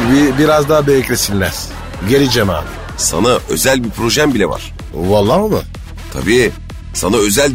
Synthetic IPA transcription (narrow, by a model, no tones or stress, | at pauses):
bibiɾazd̪aːbejeclʲesinʲmɛz̥ | ɟeɾid͡ʒema̰ː | sa̰naø̞̰zælʲbipʰɾo̞ʒæmbilʲɛva̰ɾ̥ | valˠːaːmɯ̰ | t̪ʰa̰biː | sanaø̞zælʲ